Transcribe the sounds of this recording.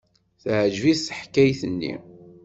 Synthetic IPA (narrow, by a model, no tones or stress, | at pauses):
θʕəʒvisħkːæjθənːḭ